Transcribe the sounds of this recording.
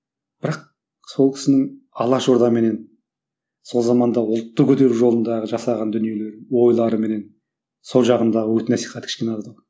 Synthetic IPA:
b̥ɪɾɑq̚ | so̞lˠkʲʰɪ̥sɪnɪŋɑlˠɑʃo̞ɾd̪ɑme̞ne̞n | so̞lˠzɑmɑnd̪ɑʊlˠt̪ːəkʲʰɵt̪e̞ɾuʒo̞lˠənd̪ɑʁəʒɑsɑʁɑnd̪ʏnije̞le̞ɾɪwo̞jlˠɑɾəme̞ne̞n | so̞lˠʒɑʁənd̪ɑʁəwɵt̪ɪnæsijχɑt̪kʲʰɪ̥ʃkʲe̞nɑzd̪əq

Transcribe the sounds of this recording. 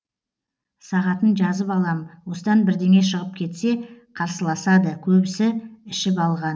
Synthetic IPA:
sɑʁɑt̪ənʒɑzəpɑlˠɑmwo̞səd̪ɑnbɪɾd̪e̞ŋe̞ʃəʁəp̚kʲʰe̞t̪se̞qʰɑɾsəlˠɑsɑd̪əkʲʰɵbɪsɪɪʃɪpɑlˠʁɑn

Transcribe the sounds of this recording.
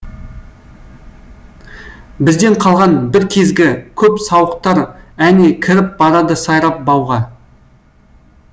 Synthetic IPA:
bɪzd̪e̞ɴqʰɑlˠʁɑnbɪɾkʲʰe̞zɡʲɪkʲʰɵpsɑwəq̚t̪ɑɾænekʲʰɪɾɪp̚bɑɾɑd̪əsɑjɾɑp̚bɑwʁɑ

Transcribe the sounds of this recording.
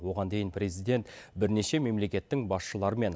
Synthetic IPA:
wo̞ʁɑnd̪e̞jɪnprʲe̞zijd̪e̞nt̪bɪɾne̞ʃe̞me̞mle̞kʲe̞t̪ːɪŋbɑsʃəlˠɑɾəme̞n

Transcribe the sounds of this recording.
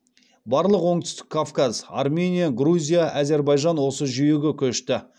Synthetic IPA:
bɑɾlˠəqwo̞ɴt̪ʏ̥st̪ɪ̥kʰːafkaz̥a̰rmʲe̞nʲijaɡruzʲijaʔæzʲe̞ɾbɑjʒɑnwo̞səʒʏjeɡʲekʲʰɵʃt̪ɪ

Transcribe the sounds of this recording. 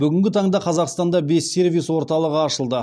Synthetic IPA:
bʏɡʲɪŋɡʲɪt̪ʰɑɴd̪ɑqʰɑzɑqst̪ɑnd̪ɑbe̞sːe̞rvijswo̞ɾt̪ɑlˠəʁəɑʃəlˠd̪ə

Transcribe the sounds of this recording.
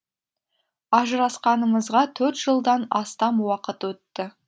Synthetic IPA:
ɑʒəɾɑsqɑnəməzʁɑt̪ʰɵɾt̪ʒ̥əlˠd̪ɑnɑst̪ɑmwɑqət̪wɵt̪ːɪ

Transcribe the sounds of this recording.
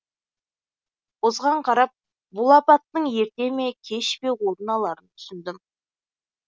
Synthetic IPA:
ozʁɑɴqʰɑɾɑp̚ | bulˠɑpɑt̪ːəɴe̞ɾt̪e̞me̞kʲʰe̞ʃpe̞wo̞ɾənɑlˠɑɾənt̪ʰʏ̥sɪnd̪ɪm

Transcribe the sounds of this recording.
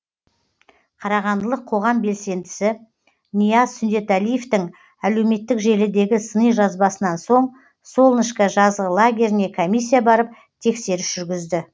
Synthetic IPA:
qʰɑɾɑʁɑnd̪əlˠəqʰːo̞ʁɑmbe̞lse̞nd̪ɪsɪ | nijazsʏnd̪e̞t̪ælije̞ft̪ɪŋ | æle̞wme̞t̪ːɪkʒe̞lɪd̪e̞ɡʲɪsənəjʒɑzbɑsənɑnso̞ɴ | so̞lˠnəʃkɑʒɑzʁəlˠaɡʲe̞ɾɪne̞kʰomijs̬ʲːijabɑɾəp̚ | t̪ʰe̞kse̞ɾɪsʒ̥ʏɾɡʲɪzd̪ɪ

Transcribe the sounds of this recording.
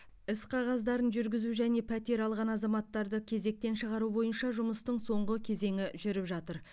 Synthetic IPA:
ɪsqʰɑʁɑzd̪ɑɾənʒʏɾɡʲɪzuʒæne̞pʰæt̪e̞ɾɑlˠʁɑnɑzɑmɑt̪ːɑɾd̪əkʲʰe̞ze̞k̚t̪e̞nʃəʁɑɾubo̞jənʃɑʒʊməst̪əɴso̞ɴʁəkʲʰe̞ze̞ŋɪʒʏɾɪpʒɑt̪əɾ

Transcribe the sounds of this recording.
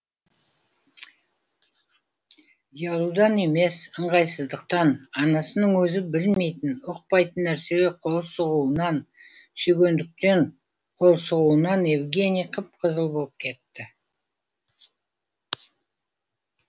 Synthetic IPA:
jɑlˠud̪ɑne̞me̞səɴʁɑjsəzd̪əq̚t̪ɑnɑnɑsənəɴwɵzɪbɪlme̞jt̪ɪnʊq̚pɑjt̪ənːæɾse̞ɡʲeqʰo̞lˠsəʁuənɑn | sɵɡʲe̞nd̪ɪk̚t̪e̞ɴ | qʰo̞lˠsəʁuənɑne̞vɡʲe̞nijqʰəp̚qʰəzəlˠbo̞lˠəp̚kʲʰe̞t̪ːɪ

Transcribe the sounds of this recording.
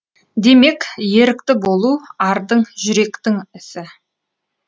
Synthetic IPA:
d̪e̞me̞kje̞ɾɪkt̪ɪbo̞lˠuɑɾd̪əɴʒʏɾe̞kt̪ɪŋɪsɪ

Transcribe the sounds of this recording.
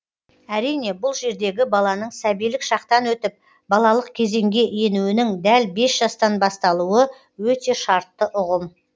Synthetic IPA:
æɾijne̞bʊlˠʒe̞ɾd̪e̞ɡʲɪbɑlˠɑnəɴsæbijlɪkʃɑq̚t̪ɑnwɵt̪ɪp̚ | bɑlˠɑlˠəqkʲʰe̞ze̞ŋɡʲe̞ʔje̞nuwɪnɪŋd̪ælbe̞sʒ̥ɑst̪ɑnbɑst̪ɑlˠuwə | wɵt̪e̞ʃɑɾt̪ːəʔʊʁəm

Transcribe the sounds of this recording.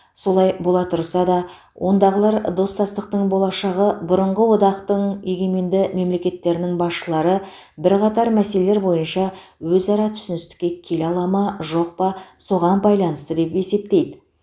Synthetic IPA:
so̞lˠɑjbo̞lˠɑt̪ʰʊɾsɑd̪ɑ | wʔo̞nd̪ɑʁəlˠɑɾd̪o̞st̪ɑst̪əq̚t̪əɴbo̞lˠɑʃɑʁəbʊɾəɴʁəwo̞d̪ɑqt̪əɴjeɡʲe̞me̞nd̪ɪme̞mle̞kʲe̞t̪ːe̞ɾɪnɪŋbɑsʃəlˠɑɾə | bɪɾqɑt̪ɑɾmæse̞lele̞ɾbo̞jənʃɑ | wɵzɑɾɑt̪ʰʏ̥sɪnɪst̪ɪ̥kʲːe̞kʲʰe̞lɑlˠɑmɑʒo̞q̚pɑso̞ʁɑnbɑjlˠɑnəst̪əd̪e̞pe̞se̞p̚t̪e̞jd̪ɪ

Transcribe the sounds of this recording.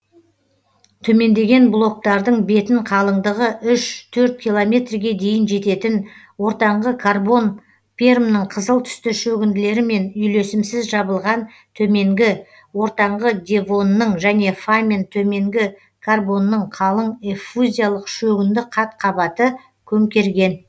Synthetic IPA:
t̪ʰɵme̞nd̪e̞ɡʲe̞nblˠo̞k̚t̪ɑɾd̪əɴbe̞t̪ɪɴqʰɑlˠəɴd̪əʁəʔʏʃt̪ʰɵɾt̪̚kʲijlˠo̞mʲe̞t̪rɡʲe̞d̪e̞jɪnʒe̞t̪e̞t̪ɪn | wo̞ɾt̪ɑɴʁəkʰarbo̞n | pʲʰermnəɴqʰəzəlˠt̪ʰʏ̥st̪ɪʃɵɡʲɪnd̪ɪle̞ɾɪme̞nʏjle̞sɪmsɪzʒɑbəlˠʁɑn | t̪ʰɵme̞ŋɡʲɪ | wo̞ɾt̪ɑɴʁəd̪ʲe̞vo̞nːəɴʒæne̞famʲent̪ʰɵme̞ŋɡʲɪ | kʰarbo̞nːəɴqʰɑlˠəɴefuzʲijalˠəqʃɵɡʲɪnd̪ɪqʰɑt̪qʰɑbɑt̪ə | kʲʰɵmkʲe̞ɾɡʲe̞n

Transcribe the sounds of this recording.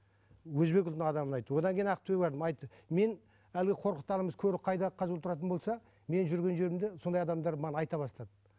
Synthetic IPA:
wɵzbe̞k̬ʲʊlt̪nɪɴɑd̪ɑmənɑjt̪ːwo̞d̪ɑŋkʲʰejinɑqt̪ʰuwebɑɾd̪əmɑjt̪ːəme̞n | ælɡʲeqʰo̞ɾqət̪ːɑlˠəməz̥kʲʰɵɾɪp̚qʰɑjd̪ɑqʰɑzult̪ʊɾɑt̪ənbo̞lˠsɑ | me̞nʒʏɾɡʲe̞nʒe̞ɾɪmd̪e̞so̞nd̪ɑjɑd̪ɑmd̪ɑɾmɑʁɑnɑjt̪ɑβɑst̪ɑd̪ə

